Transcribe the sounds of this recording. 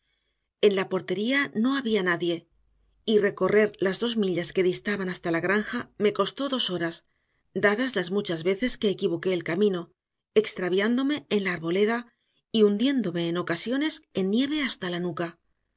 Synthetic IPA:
e̞nlapo̞ɾt̪e̞ɾiano̞aβianaðje̞ | ire̞ko̞re̞ɾlazðo̞zmiʎaske̞ðist̪aβanast̪alaɣɾaŋxame̞ko̞st̪o̞ðo̞so̞ɾas | d̪aðazlazmut͡ʃazβe̞θe̞ske̞ːkiβ̞o̞ke̞ːlkamĩno̞ | ekst̪ɾaβjand̪o̞meenlaːɾβo̞le̞ða | iund̪je̞nd̪o̞me̞ːno̞kasjo̞ne̞se̞nːje̞β̞e̞ast̪alanuka

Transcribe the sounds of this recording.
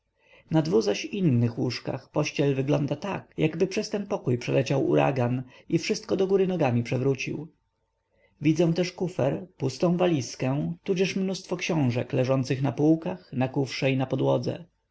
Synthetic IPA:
nad̪vuɣzaɕinːɘxwuʂka̰xpɔɕt͡ɕɛlvɘɡlɔnd̪at̪a̰kjaɡbɘpʂɛst̪ɛnpɔkujpʂɛlɛt͡ɕawṵɾʔa̰ɡan | ifʂɘst̪̚kɔd̪ɔɡuɾɘnɔɡamʲipʂɛvɾut͡ɕḭw | vʲid̪zɛ̃w̃t̪ɛʂkufɛɾpust̪ɔ̃w̃valʲiskɛ̃t̪ud͡ʑɛʂmnust̪fɔkɕɔ̃w̃ʐɛklɛʐɔnt̪sɘxnapuwkaxnakufʂɛinapɔd̪wɔd̪zɛ̰

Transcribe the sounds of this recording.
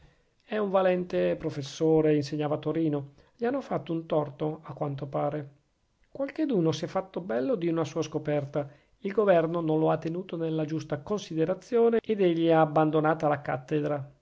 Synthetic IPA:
ɛuɱvalɛnt̪epɾofesːoːɾeinseɲːaːvat̪oɾiːno | ʎianːofat̪ːount̪ɔrt̪oakːwant̪opaːɾe | kwalk̟ed̪uːnosiɛfːat̪ːobɛlːod̪iunasuːaskopɛrt̪a | ilɡovɛrnonõnloat̪ːenuːt̪onelːad͡ʒust̪akonsid̪eɾat̪sːjoːneed̪eʎːiaːbːand̪onaːt̪alaka̰t̪ːed̪ɾa

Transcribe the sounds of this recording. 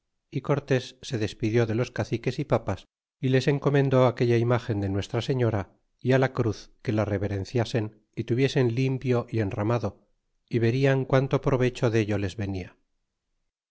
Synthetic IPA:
iko̞ɾt̪e̞sːe̞ðe̞spiðjo̞ðe̞lo̞skaθike̞sipapas | ile̞se̞ŋko̞mẽ̞nd̪o̞ake̞ʎaimaxe̞nd̪e̞nwe̞st̪ɾase̞ɲo̞ɾa | ialakɾuθke̞lare̞βe̞ɾe̞nθjase̞n | it̪uβ̞je̞se̞nlimpjo̞ʔie̞nramaðo̞ | iβe̞ɾiaŋkwant̪o̞pɾo̞β̞e̞t͡ʃo̞ðe̞ʎo̞le̞zβe̞nia

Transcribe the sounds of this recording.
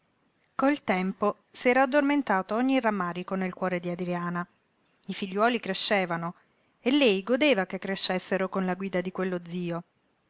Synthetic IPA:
koilt̪ɛmpo | sɛːɾaːd̪ːorment̪aːt̪oɔɲːiramːaːɾikonelkwɔːɾed̪iad̪ɾijaːna | ifiʎːwɔːlikɾeʃːɛːvano | elːɛjɡod̪eːvakekːɾeʃːesːeɾokonlaɡwiːd̪ad̪ikwelːod̪ziːo

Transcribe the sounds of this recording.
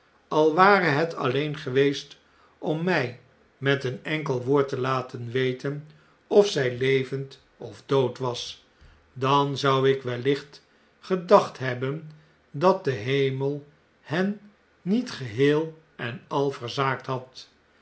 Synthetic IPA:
ɑlˠʋaːrəɦɛtʰɑ̰lejnχəʋejst | ɔmːɛj | mɛtənɛŋkəlˠʋoːɹtəlaːtʰənʋejtən | ɔfsɛjlejvənt | ɔvdowtʋɑs | dɑnzɑwɪkʋɛlɪχt | χədɑχtɦɛbən | dɑt̚dəɦejməlˠ | hɛnː | itχəɦɪːlˠ | ɛnɑlˠvəɹzaːk̚tɦɑt

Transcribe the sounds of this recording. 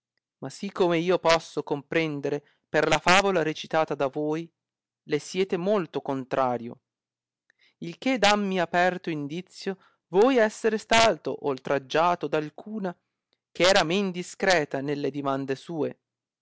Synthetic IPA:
masikʰːomeiːopɔsːokompɾɛnd̪eɾe | perlafaːvolaɾet͡ʃit̪aːt̪ad̪avoːj | lesjɛːt̪emolt̪okont̪ɾʔaːɾjo̰ | ilk̟ed̪amːiapɛrt̪oind̪it̪sːjo | vojɛsːeɾest̪aːt̪o̰ʔolt̪ɾad͡ʒːaːt̪od̪alkʰuːna | k̟eɛːɾamend̪iskɾɛːt̪anelːed̪imand̪esuːe

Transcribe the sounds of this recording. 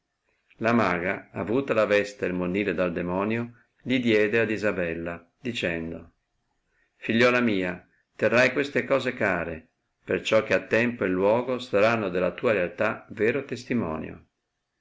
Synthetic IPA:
lamaːɡaavuːt̪alavɛst̪elmonːiːled̪ald̪emɔːnjo | ʎid̪jɛːd̪ead̪izabɛlːa | d̪it͡ʃɛnd̪o | fiʎːɔːlamiːa | t̪erːajkwest̪ekɔːzekaːɾe | pert͡ʃɔk̟ːeat̪ːɛmpoilːwɔːɡosaɾanːod̪elat̪uːaɾealt̪aveːɾot̪est̪imɔ̰ːnjo̰

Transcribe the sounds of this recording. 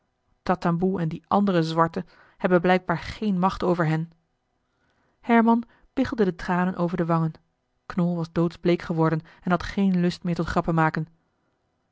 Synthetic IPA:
tɑtɑmbuɛndiʔɑndərəzʋɑɹtə | hɛbənblɛjɡ̚baːɹχejnmɑχtowvəɹɦɛn | hɛɹmɑn | pɪχlˠdədətraːnənʔowvəɹdəʋɑŋən | knɔlˠʋɑzdowtzblejkχəʋɔɹdən | ɛnɦɑtχejnlɵstmɪːɹtɔtχrɑpəmaːkən

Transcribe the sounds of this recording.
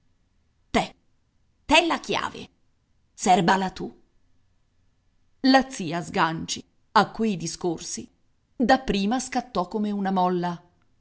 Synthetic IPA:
t̪ɛ | t̪ɛlːakja̰ːvḛ | sɛrbalat̪u | lat̪sːiːazɡant͡ʃi | akːwejd̪iskorsi | d̪apːɾiːmaskat̪ːɔkːomeunamɔlːa

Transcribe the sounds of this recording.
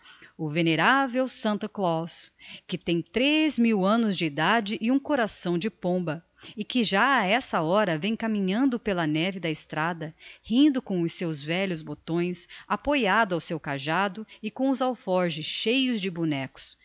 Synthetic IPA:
ʊveneɾavewsɐ̃nt̪ɐklɔskɪt̪ẽj̃t̪ɾezmiwɐ̃nʊzd͡ʒɪːd̪ad͡ʒɪʔɪũkoɾasɐ̃w̃d͡ʒɪpõmbɐ | ɪkɪʒaaɛsɐɔɾɐvẽj̃kamĩɲɐ̃nd̪ʊpelɐnɛvɪd̪ɐɪst̪ɾad̪ɐhĩnd̪ʊkõw̃ʊsewzvɛʎʊzbot̪õj̃sapojad̪ʊawsewkaʒad̪ʊɪkõʊzawfɔɾʒɪsʃejʊzd͡ʒɪbunɛkʊ̥s

